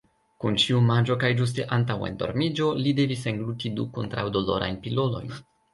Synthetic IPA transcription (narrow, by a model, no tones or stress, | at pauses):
kunt͡ʃiumad͡ʒo̞kajd͡ʒus̬te̞ʔantawḛndo̞̰ɾmid͡ʒo̞lide̞viseŋɡlutidukontɾawdo̞lo̞̰ɾa̰jnpilo̞lo̞̰jn